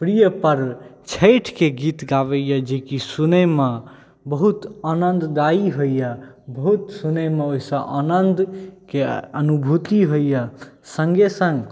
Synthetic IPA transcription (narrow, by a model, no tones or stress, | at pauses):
pɾijəpəɾt͡ʃʰəjʈʰkeɡit̪ɡaβəjjəd͡ʒekisunəma | bəɦut̪anənd̪d̪aiɦoija | bəɦut̪sunəmeoisə̃ʔanənd̪keənubʱut̪iɦojjə | səŋɡesə̃ŋɡ